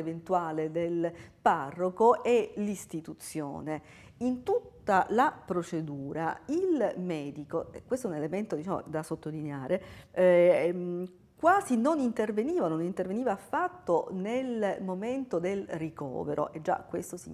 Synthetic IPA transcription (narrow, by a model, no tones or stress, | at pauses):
event̪uaːled̪elparːokoelist̪it̪ut̪sːjo̰ːne | int̪ut̪ːalapɾot͡ʃed̪uːɾa̰ilmɛːd̪ikoɛkwest̪oɛunelement̪od̪it͡ʃaːmo̰d̪asot̪ːolineaːɾʔe | kwaːzinonint̪erveniːvanonint̪erveniːvaːfːat̪ːonelmoment̪od̪elrikɔ̰ːveɾʔo̰ʔed͡ʒːa̰kwest̪osi